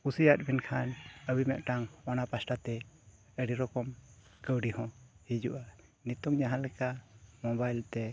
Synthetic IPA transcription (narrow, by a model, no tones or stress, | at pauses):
kusijat̪̚binkʰanəbimɛʔ̪ʈaŋwanapasʈat̪ɛ | əɽiɾɔkɔm | kəwɖihɔ̃hid͡ʒuʔa | nit̪ɔŋɲaɦãlɛkamɔbajlt̪ɛ